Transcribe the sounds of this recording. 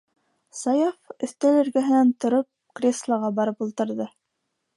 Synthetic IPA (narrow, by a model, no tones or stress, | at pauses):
sɑjafɵ̆θt̪ælɘ̆ɾɡæɦɘ̆nænt̪ŏɾɤp̚krʲeslˠɑʁɑbɑɾɤpulˠt̪ɤ̆ɾðɤ